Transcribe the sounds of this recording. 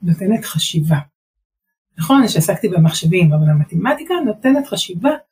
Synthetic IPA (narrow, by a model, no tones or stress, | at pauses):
note̞ne̞tχaʃiva | naχo̞nʃeasakt̪ibemaχʃevimavalamatematikano̞tenetχaʃiva